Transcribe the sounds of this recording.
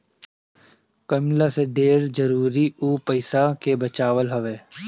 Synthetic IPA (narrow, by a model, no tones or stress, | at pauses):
kəmlaseɖeːɾd͡ʒəɾuːɾiuːpəɪsakebət͡ʃaːʋəlɦɐʋeː